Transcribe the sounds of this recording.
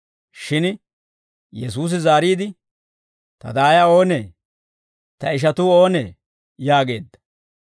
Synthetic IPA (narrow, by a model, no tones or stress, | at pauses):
ʃɪn | jɛsuːs̬ɪzaːɾiːd̪ɪ | t̪ɐ̰d̪aːjao̞ːneː | t̪ɐɪʃ̬ɐt̪uːo̞ːnḛː | jaːɡe̞ːd̪ːɐ̥